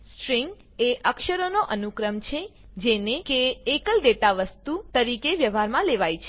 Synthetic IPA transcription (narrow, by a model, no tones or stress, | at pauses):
sʈɾiŋɡ | eʔəkʃəɾonoʔənukɾəmt͡ʃʰe | d͡ʒenekeːkəlɖeʈaʋəst̪ut̪əɾikeʋjəʋʱaɾmãleʋajt͡ʃʰ